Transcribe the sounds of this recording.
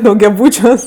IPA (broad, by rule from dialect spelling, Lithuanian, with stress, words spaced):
dɐʊɡʲɛˈbuːt͡ʃʲuɔs